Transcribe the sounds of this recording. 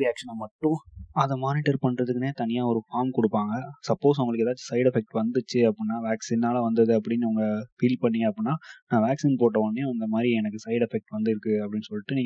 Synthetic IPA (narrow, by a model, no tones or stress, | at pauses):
ɾɪjaːkʂɐnɐmɐʈːʊ̃ɐðɛmaːnɪʈɐɾpɐɳːɾɐðɯkːɯneːt̪ɐnɪjaːɔɾɯfaːɾmkɔɽɯpːaːŋɡɐsɐpːoːs̬ʋʊŋɡɐɭɯkːɛðaːt͡ʃːɯ̥sɐɪɽɛfɛk̚ʈʋɐnd̪ɯt͡ʃːɯɐpːɽɪnːaːʋaːksinːaːlɐʋɐnd̪ɐðɯɐp̬ːɐɽɪnːɯɐʋɐŋɡɐfiːlpɐɳːɪŋɡɐpːɽɪnːaːnãːʋaːksiːnpoːʈːɐʋɐnːej̃ɐnd̪ɐmaːd̪ɾiɛnɐkːɯsɐɪɽɛfɛk̚ʈʋɐnd̪ɯɪɾɯkːɯɐpːɐɽɪnːɯsɔlːɪʈːɯnĩːŋɐ